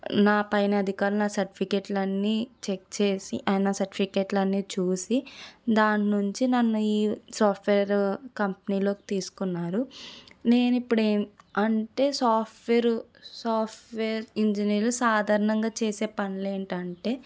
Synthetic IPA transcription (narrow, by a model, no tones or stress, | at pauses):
naːpɐjnɐd̪ʱikaːɾlunaːsɐɾʈi̥pʰikeʈlɐnːiːt͡ʃek̚t͡ʃeːsiʔɐnaːsɐɾʈipikeʈlɐnːiːt͡ʃuːsid̪aːɳnuɲt͡ʃinɐnːuiːsaːpʰʈʰʋeːɾkɐmpɐniːlo̞ːki̥t̪iːsu̥kunːaːɾune̞ːnipːuɽeːmɐɳʈe̞ːsaːpʈʋeːɾusaːpʈʋeːɾiɲd͡ʒiniːɾlusaːd̪ʱaːɾɐɳɐŋɡaːt͡ʃe̞ːse̞ːpɐnleːɳʈɐɳʈe̞ː